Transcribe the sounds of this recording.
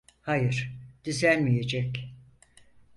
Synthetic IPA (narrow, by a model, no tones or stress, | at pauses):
hajɯɾ̥d̪̥izænmije̞d͡ʒɛc